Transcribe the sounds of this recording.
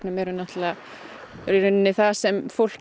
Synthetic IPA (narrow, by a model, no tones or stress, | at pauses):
namjɛɾʏnaht̪la | ɾiɾʏnːnɪθasɛmfowl̥c